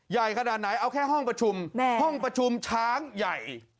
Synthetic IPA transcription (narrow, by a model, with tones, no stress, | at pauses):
ja˨˩jkʰa˧naː˨˩t̪̚na˩˦jʔa˧wkʰɛː˥˩ɦɔ˥˩ŋpɾa˧t͡ɕʰu˧mhɔ˥˩ŋpɾa˧t͡ɕʰu˧mt͡ɕʰaː˦˥ŋja˨˩j